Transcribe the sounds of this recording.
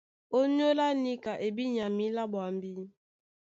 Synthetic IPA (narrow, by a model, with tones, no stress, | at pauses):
o˦ɲ˦o˦la˦ni˦ka˨ʔe˨bi˦ɲa˨mi˦la˦bwa˨m˦bi˦